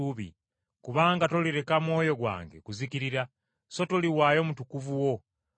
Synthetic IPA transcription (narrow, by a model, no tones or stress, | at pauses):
uβḭ | kuβaːŋɡatoliɾe̞kamwo̞ːjo̞ɡwa̰ːŋɡe̞̰kuzikiɾiɾa | so̞toliwaːjo̞ːmutukuvuwo̞